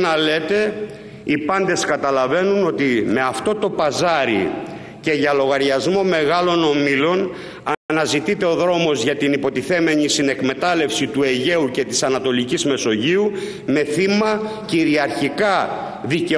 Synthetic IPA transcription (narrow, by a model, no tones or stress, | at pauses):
nɐle̞t̪e̞ | ipɐnd̪e̞skɐt̪ɐlɐve̞nuno̞t̪ime̞ɐft̪o̞t̪o̞pɐzɐɾḭ | ce̞ʝɐlo̞ɣɐɾʝɐzmo̞me̞ɣɐlo̞no̞milo̞n | ɐnɐzit̪it̪e̞o̞ðɾo̞mo̞zʝɐt̪inipo̞t̪iθe̞me̞ɲisine̞kme̞t̪ɐle̞fsit̪ue̞ʝe̞uce̞t̪i̥sɐnɐt̪o̞licizme̞so̞ʝiu | me̞θimɐciɾiɐɾçikɐ | ðice